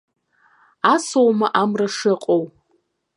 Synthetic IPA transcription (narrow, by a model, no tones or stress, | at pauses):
asowmaʔamraʂɨqʼow